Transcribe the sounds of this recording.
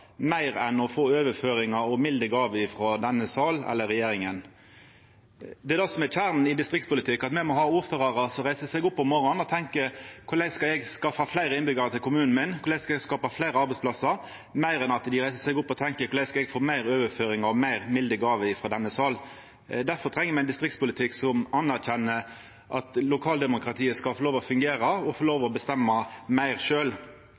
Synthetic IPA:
mæɪʁɛnɔfoːøːʋəføːɾɪŋɑɾɔmɪld̪əɡɑːʋəɪfɾɔd̪ɛnːəsɑːlɛ̰lːəɾɛjeːɾɪŋən | d̪ɛɛd̪ɔsɔmɛçʰæːʁnn̩ɪd̪ɪst̪ʁɪk̚tspʊlɪt̪ʰɪkːɑt̪mɛmɔɦɑːuːɾføːʁɑʁɑsɔɾæɪsəsɛɡʊpːɔmɔɾɔnɔt̪ʰɛŋkəkʰʊɾlæɪskɑɛɡskɑfɑflæɪɾəɪnbʏɡəʁət̪ʰɪlkʊmʉːnn̩mɪnkʰʊɾæɪskɑɛɡskɑːpɑflæɪɾəɑɾbɛɪspʰlɑsəɾ | mæɪɾɛnɑt̪d̪ɪɾæɪsəsɛɡʊpːɔt̪ʰɛŋkəkʰʊɾlæɪskɑɛɡfoːmæɪɾøːʋəføːɾɪŋɑɔmæɪʁmɪld̪əɡɑːʋəɪfɾɔd̪ɛnːəsɑl | d̪æɾfɔɾt̪ʰʁɛŋːəmɛɪnd̪ɪst̪ɾɪktspʊlɪt̪ʰɪksɔmɑnæʁçɛnːə | ʔɑt̪lʊkʰɑːld̪ɛmʊkɾɑt̪ʰiːəskɑlfɔɾloːʋəɔfʉŋɡeːɾɑɔfɔloːʋəɔbəst̪ɛmːɑmæɪʁʃøːl

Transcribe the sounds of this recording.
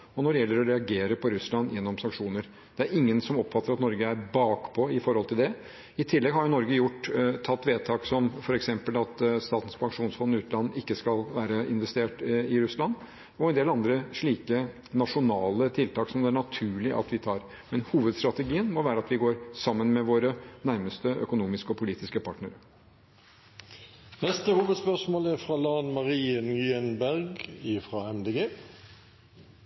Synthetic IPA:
ɔnɔɖɛjɛlːəɾɔɾɛɑɡeːɾəpʰɔɾʉslɑnːjɛnːɔmsɑŋkʂuːnəɾ | d̪̥ɛæɾɪŋːənsɔmɔpːfɑt̪ːəɾɑt̪nɔɾɡəæɾbɑːkpʰɔɪfɔɾhɔlt̪ʰɪld̪ɛ | ɪt̪ʰɪlːɛɡɦɑɾjʊnɔɾɡəjʊʈːt̪ʰːɑt̪ːʋeːt̪ʰɑːksɔmfɔɾɛksɛmpəlɑt̪st̪ɑːt̪ən̩spʰɑŋʂuːnsfɔnːɪʉːt̪̩ɑnːɪkːəskɑlʋæːɾəɪnʋɛst̪eːʈɪɾʉslɑnː | ɔɛnd̪eːlɑnd̪ɾəʂɭiːkə | nɑʂʊnɑːlət̪ʰɪlt̪ɑːksɔmd̪ɛæɳɑt̪ʰʉːɭɪʔɑ̰t̪ʰʋɪt̪ʰɑːɾ | mɛnhuːʋəd̪st̪ɾɑt̪əɡiːənmɔʋæːɾəɑt̪ʋɪɡoːɾsɑmːənmɛʋoːɾənæɾməst̪əœkʊnuːmɪskəɔpʰʊliːt̪ɪskəpʰɑʈnəɾə | nɛst̪əhuːʋəd̪spœʁʂmoːlæfʁɑlɑːnmɑʁiːənjyːɛnbæʁɡɪfʁɑɛmd̪eɡeː

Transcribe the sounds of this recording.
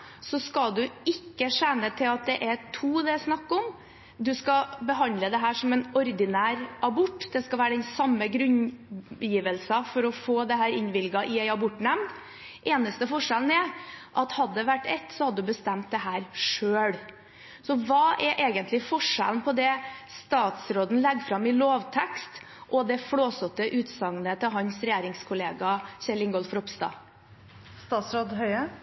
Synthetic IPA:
sɔskɑld̪ʉɪkːəʂænːət̪ʰɪlɑt̪̚d̪ɛʔɛtʰuːd̪ɛsnɑkːɔm | d̪ʉskɑbəɦɑnd̪ləd̪ɛɦæːʂɔmɛnɔɾd̪ɪnæːɾʔɑbɔʈːd̪ɛskɑʋæːɾəɖ̪ɛnsɑmːəɡɾʉnjiːʋəlsɑfɔɾɔfoːd̪ɛɦæːɾɪnʋɪlɡɑʔɪæɪɑbɔʈːnɛmd̪ | ʔeːnəst̪əfɔʂɛln̩ɛɾʔɑt̪hɑd̪ːəʋæʈːɛt̪ːsɔhɑd̪əd̪ʉbəst̪ɛmt̪̚d̪ɛɦæːɾʂøːɽ | sɔʋɑːʔɛɾʔeːɡənt̪lɪfɔʂɛ̰ln̩pʰɔd̪ɛst̪ɑːt̪sɾoːd̪n̩lɛɡːfɾɑmːɪloːʋt̪ʰɛkst̪ | ʔɔd̪ɛfɽoːsɔt̪ːəʔʉːt̪sɑŋnət̪ʰɪlɦɑnsɾɛjeːɾɪŋskʰʊleːɡɑɕɛlɪŋɡɔlfɾɔpst̪ɑ̰ː | st̪ɑːt̪sɾoːd̪ɦœʏə

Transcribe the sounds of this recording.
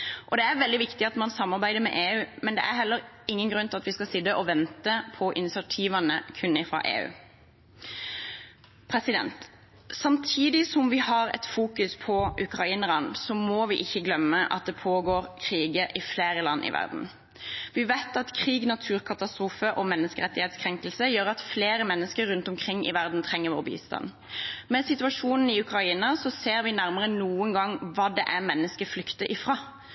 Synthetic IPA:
ʔɔd̪ɛæɾʋɛld̪ɪʋɪkt̪ɪɑt̪mɑnsɑmːɑʁbæɪd̪əɾmɛ̰ʔeːʉːmɛnd̪ɛ̰ʔæɾɦɛlːəʁ | ɪŋːənɡɾʉnt̪ɪlɑt̪ʋɪskɑsɪd̪əʔɔʋɛnt̪əpʰɔʔɪnɪsɛt̪ʰiːʋɑnəkʰʉnɪfʁɑ̰ːʔḛːʉ̰ː | pʰʁɛsɪd̪ɛ̰nt̪ | sɑmt̪ʰiːd̪ɪsɔmʋɪhɑʁɛ̰t̪fuːkʉspʰɔʔʉkʁɑiːnəʁɑnsɔmoːʋɪʔɪçːəɡlœmːəʔɑt̪̚d̪ɛpʰoːɡoːɾkʰʁiːɡəʔɪfleːɾəlɑ̰nːʔɪ̰ʋæ̰ʁd̪n̩ | ʋɪʋæɪt̪ɑt̪kʰʁiːɡnɑt̪ʰʉːɾkʰɑt̪ɑst̪ɾuːfəʔɔmɛnːəskəɾɛt̪ːɪheːt̪skʰʁɛŋkəlsəjøːɾɑt̪fleːɾəmɛnːəskəɾːʉnt̪ɔmkʰʁɪŋːɪ̰ʋæʁd̪n̩t̪ʰʁɛŋːəʋo̰ːʁbḭːst̪ɑ̰n | mɛsɪt̪ʉɑʂuːnn̩ɪʉkʁɑiːnɑsɔseːɾʋɪnæɾməʁənuːənɡɑŋʋɑːd̪ɛʔæmɛnːəskəflʏkt̪əʔɪfʁɑː

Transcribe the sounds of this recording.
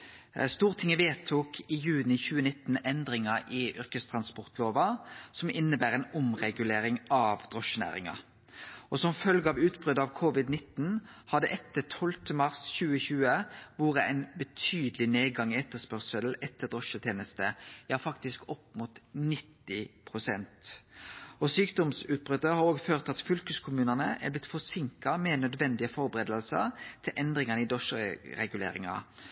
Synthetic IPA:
st̪uːʁət̪ʰɪŋːəʋeːt̪ʰuːkʰɪjʉːnɪçʉːənɪt̪ːn̩ɛnd̪ʁɪŋɑʔɪʔʏʁkəst̪ʰʁɑnspɔʁt̪ʰloːʋɑsɔmɪnːəbæːʁæɪnʊmʁɛɡʉleːɾɪŋɑʋd̪ʁɔʃːənæ̰ːʁɪ̰ŋɑ̰ | ɔsɔmfœlɡəɑʋʉːt̪bʁʏd̪ɑʋkʰʊʋɪd̪nɪt̪n̩hɑd̪ɛʔɛt̪ːət̪ʰɔlt̪ʰəmɑʁsçʉːəçʉːəʋuːʁəæ̰ɪnbət̪ʰyːd̪əlɪneːɡɑŋːɪɛt̪ːəspœʁsəlɛt̪ːəd̪ɔʂət̪ʰjeːnəst̪əjɑːfɑkt̪ɪskɔpːmut̪nɪt̪ːɪpʰʁʊsɛnt̪ | ɔsyːkd̪ɔmsʉːt̪̚bʁʏd̪əhɑɾoːɡføːʁt̪ɑt̪fʏlkəskʰʊmʉːnənəʔæ̰blɪt̪ːfɔsɪŋkɑmɛnœd̪ʋɛnd̪ɪəfɔɾbəɾeːd̪əlsə̰ɾt̪ʰɪlʔɛnd̪ʁɪŋənəɪd̪ɔʃəɾɛɡʉlḛːɾɪ̰ŋɑ̰

